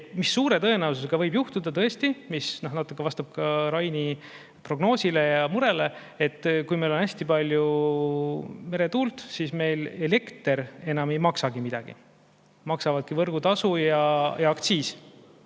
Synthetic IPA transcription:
misːuːɾe̞t̪ɤ̞e̞næws̬us̬eɡ̥ɑvɤjbjuht̪ud̪ɑt̪ɤe̞st̪imisnohnɑt̪ːˑukːˑevɑst̪ɑb̥̚kɑɾɑjni | pro̞ɡno̞ːsile̞jɑmuɾe̞le̞ | e̞t̪ˑːkujme̞jlo̞næsʲt̪ipɑlʲju | me̞ɾe̞t̪uːlt̪sisme̞jle̞le̞kt̪e̞ɾe̞nɑme̞jmɑksɑɡimid̪̥ɑ̰ɡ̥ḭ | mɑksɑvɑd̪̚kivɤrɡ̥ut̪ɑsujɑjɑɑkt̪siːs

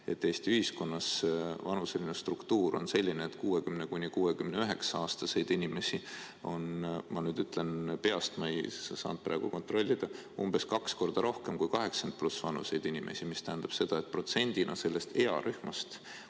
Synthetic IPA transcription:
e̞t̪ːeːst̪iyhisko̞nːɑsvɑnuse̞linest̪rukt̪uːɾo̞̰nse̞lʲːineːt̪ːkuːe̞kymnekunʲikuːe̞kymne̞yɦe̞ksɑɑːst̪ɑse̞jd̪̥inʲime̞si | o̞nmɑnyːd̪yt̪ːˑle̞npe̞ɑst̪mɑejssɑ̰ːnd̪̥̚prɑ̰ːɡ̥uko̞nt̪ro̞lʲːid̪̥ɑ | umb̥e̞skɑksko̞rd̪̥ɑɾʔo̞hke̞mkujkɑɦe̞ksɑnd̪̥̚plusvɑnṵse̞jd̪̥inʲimʔe̞̰simist̪æɦhnd̪̥ɑb̥se̞d̪̥ɑe̞t̪pro̞t̪se̞nʲd̪̥inʔɑ̰se̞lːe̞st̪e̞ɑ̰ɾʔyhmɑst̪

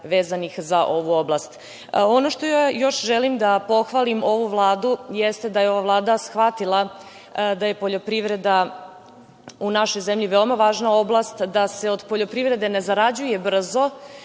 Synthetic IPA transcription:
ʋeːzanixzaʔo̞ʋuo̞blˠast̪ | ono̞ʃt̪ojjo̞ʃʒelimd̪apo̞xʋalimo̞ʋuvlˠaːd̪ujest̪ed̪ajeo̞ʋavlˠaːd̪asxʋat̪ilˠa | d̪aje̞po̞ʎo̞pɾiʋɾe̞d̪a | unaʃo̞jzemʎiʋeomaʋaːʒnao̞blˠast̪d̪ase̞o̞d̪po̞ʎo̞pɾivɾe̞d̪e̞ne̞zaɾad͡ʑujebr̩zo̞

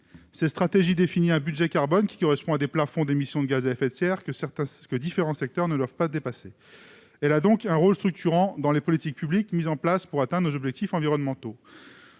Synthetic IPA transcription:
sɛst̪χat̪eʒid̪efiniɛ̃bydʒɛkaʁbɔnkʲi̥kɔʁɛspɔ̃ad̪eplafɔ̃d̪emisjɔ̃d̪əɡʲazaɛfɛt̪sɛʁkəɛt̪ɛ̃kəd̪ifeʁɑ̃sɛk̚t̪œʁnəd̪wavpad̪epase | ɛlad̪ɔ̃kɛ̃ʁolst̪χyk̚t̪ʰyʁɑ̃d̪ɑ̃lepɔlit̪ik̚pyblikmizɑ̃plaspuʁat̪ɛ̃d̪ʁnozɔbʒɛk̚t̪ifɑ̃viʁɔnmɑ̃t̪o

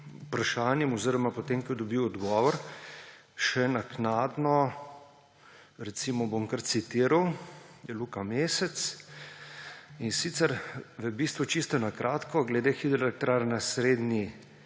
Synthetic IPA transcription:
upɾaʃaːnjɛmɔziɾɔmapɔt̪emkɛd̪ɔbiwɔd̪ɡɔːʋɔɾ | ʃɛnaknaːd̪nɔ | ɾɛt̪simɔbomkəɾt̪sit̪iːɾawjɛluːkameːsɛt̪s | insit̪sɛɾʋəbist̪ʋut͡ʃist̪ɔnakɾʔaːt̪kɔɡlɛd̪exid̪ɾɔlɛk̚t̪ɾaɾnasɾeːd̪ni

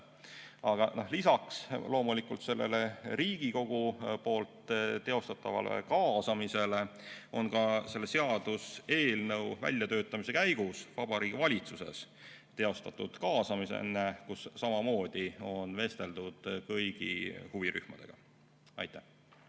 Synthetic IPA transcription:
ɑɡ̥ɑnohlisɑkslo̞ːmulikˑult̪se̞lːe̞̰leɾiːɡ̥iko̞ɡ̥upo̞ːlt̪t̪e̞o̞st̪ɑt̪ˑːɑvɑ̰lḛkɑːsɑmise̞le̞o̞nkɑse̞lːe̞se̞ɑd̪̥use̞ːlnɤwvæ̰lʲjɑt̪ø̞ːt̪ːˑɑmis̬e̞kæjɡ̥usvɑb̥ɑɾiːɡ̥ivɑlʲit̪suse̞̰s | t̪e̞o̞st̪ɑt̪ːˑud̪̥kɑːsɑmisḛnːekusːɑmɑmo̞ːd̪̥io̞nve̞st̪e̞ld̪ud̪̥kɤjɡ̥ihuviɾy̰hmɑd̪̥e̞̰ɡ̥ɑ̰ | ɑ̰jt̪ːæh

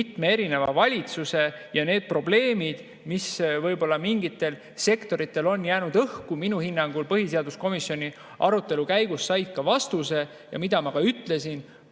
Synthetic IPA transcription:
it̪me̞e̞ɾine̞vɑ̰vɑlʲit̪suse̞jɑne̞ːd̪̥̚pro̞ble̞ːmid̪̥ | misvɤjbo̞lːɑmiŋɡ̥it̪ːˑe̞l | se̞kt̪o̞ɾit̪ːˑe̞lo̞njæːnud̪̥ɤhkuminuhinːɑŋɡ̥ulpɤɦise̞ɑd̪usko̞misio̞nʲi | ʔɑ̰ɾut̪ːˑe̞lukæjɡ̥usːɑjd̪̥̚kɑvɑst̪use̞ | jɑ̰mid̪̥ɑmɑkɑyt̪ːˑle̞sin

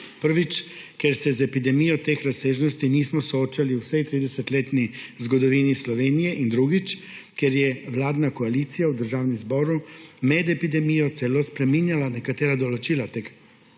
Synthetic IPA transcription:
pəɾʋit͡ʃ | kɛɾsɛzɛpid̪ɛmijɔt̪eːxɾaseːʒnɔst̪iniːsmɔsɔoːt͡ʃaliwsɛjt̪ɾiːd̪ɛsɛt̪leːt̪nizɡɔd̪ɔʋinislɔʋeːnijɛʔind̪ɾuɡit͡ʃ | kjɛɾjɛwlaːd̪nakɔaliːt̪sijawd̪əɾʒaːwnɛmzbɔːɾumɛd̪ɛpid̪ɛmijɔt̪sɛlospɾɛminjalanɛkat̪eːɾad̪ɔlɔt͡ʃiːlat̪ek

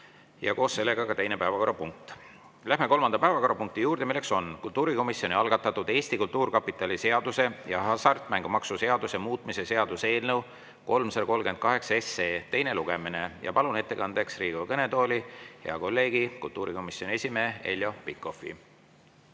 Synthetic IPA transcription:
jɑ̰ko̞ːsːe̞lːe̞ɡ̥ɑkɑt̪e̞jne̞pæːvɑko̞ɾrɑpuŋk̚t̪ | læɦme̞kolmɑnd̪̥ɑpæevɑko̞ɾɑpuŋk̚t̪ijuːrd̪e̞milːe̞kso̞nkult̪ːˑuːɾiko̞misjo̞niɑlɡ̥ɑt̪ːˑɑt̪ːˑud̪̥e̞ːst̪ikult̪ːˑuːrkɑpːˑit̪ːˑɑlise̞ɑd̪use̞jɑɦɑsɑrt̪ˑmæŋɡ̥umɑksuse̞ɑd̪use̞muːt̪ˑmise̞se̞ɑd̪̥use̞ːlnew | ko̞lmsɑɾko̞lɡent̪̚kɑɦe̞ksɑesːeːt̪e̞jne̞luɡ̥e̞mine̞jʔɑ̰pɑlune̞t̪ːe̞kɑnd̪̥e̞ksriːɡ̥okɤne̞t̪o̞ːlʲihḛɑko̞lːe̞ːɡikult̪ːˑuːɾiko̞misjo̞nʲie̞sʲimeːe̞̰ljo̞pikːˑo̞fḭ

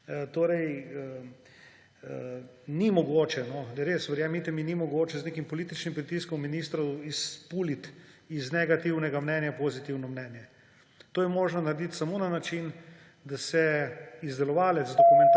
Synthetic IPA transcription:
t̪oːɾɛjə | nimɔɡoːt͡ʃɛnɔd̪ɐɾeːsʋɛɾjaːmit̪ɛminimɔɡoːt͡ʃɛzneːkimpɔliːt̪it͡ʃnimpɾit̪iskɔmːiniːst̪ɾɔwispuːlit̪iznɛɡat̪iwnɛɡamnɛːnjapoːzit̪iwnɔmnɛnjɛ | t̪oːjɛmoːʒnɔnɐɾed̪it̪samoːnanat͡ʃin | d̪asɛizd̪ɛlɔʋaːlɛt̪zd̪okumɛnt̪

